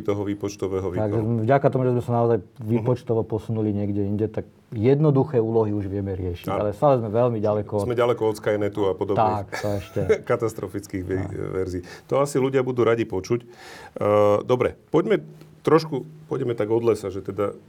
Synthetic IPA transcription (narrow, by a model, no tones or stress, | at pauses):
t̪ɔɦɔʋiːpɔt͡ʃt̪ɔʋɛːɦɔʋit̪aɡʒɛmɛvɟakat̪ɔmuʒɛzmɛsanaɔzajʋiːpɔt͡ʃt̪ɔʋɔpɔsunuliɲɪɛɡɟɛiɲɟɛt̪ak̚ | jɛd̪nɔd̪uxɛːuːlɔɦiuʒʋɪɛmɛɾɪɛʃiɟalɛst̪aːlɛzmɛʋɛlmiɟalɛkɔɔzmɛɟalɛkɔɔt̪skajɛnɛt̪uapɔd̪ɔbt̪akt̪ɔɛʃcɛkat̪ast̪ɾɔfit͡skiːɣʋɛɾziːt̪ɔasiluɟɪabud̪uːɾaɟipɔt͡ʃucː | d̪ɔbɾɛpɔɟmɛt̪ɾɔʃkupɔɟɛmɛt̪aɡɔd̪lɛsaʒɛt̪ɛd̪a